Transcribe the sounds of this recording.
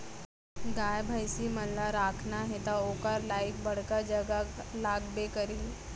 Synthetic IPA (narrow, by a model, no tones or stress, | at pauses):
ɡaːjbʱajsiməlːaɾaːkʰnaɦet̪aokaɾlaik̚bəɽ̤kad͡ʒəɡalaːɡbekəɾi